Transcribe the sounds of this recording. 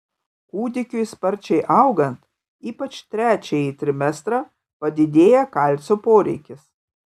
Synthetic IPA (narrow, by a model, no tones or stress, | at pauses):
kuːd̪ʲɪkʲʊspɐɾʲt͡ʃʲɛɪʔɐʊɡɐnt̪ | iːpɐt͡ʃʲt̪ʲɾʲæːt͡ʃʲejiːt̪ʲɾʲɪmʲɛst̪ɾɑː | pɐd̪ʲɪd̪ʲeːjɛkɐlʲt̪sʲoːpoːɾʲɛ̰ɪkʲɪs